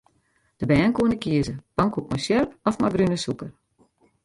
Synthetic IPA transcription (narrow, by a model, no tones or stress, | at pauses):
d̥əbɛːnkuənəkiəzəpɔŋkuk̚mɔsjørpɔfmajbrynəsukər